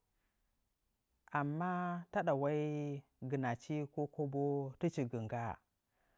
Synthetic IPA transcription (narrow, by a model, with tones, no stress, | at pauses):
a˨mːa˦ta˦ɗa˨wa˦i˦ | ɡi˨na˨t͡ʃi˦ko˦ko˦bo˦ti˦t͡ʃi˨ɡi˨ŋɡa˦